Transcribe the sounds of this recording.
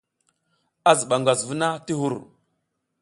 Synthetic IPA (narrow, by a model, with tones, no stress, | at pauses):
a˦zə˨ɓa˨ŋɡʷa˨zvu˦na˦ti˦ɦu˦˨ɾ